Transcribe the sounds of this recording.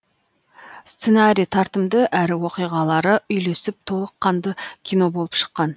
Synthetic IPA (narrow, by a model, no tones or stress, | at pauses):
st̪se̞naɾʲijt̪ʰɑɾt̪əmd̪əʔæɾɪwo̞qijʁɑlˠɑɾəʔʏjle̞sɪp̚t̪ʰo̞lˠəqʰːɑnd̪əkʲʰijno̞bo̞lˠəpʃə̥qːɑn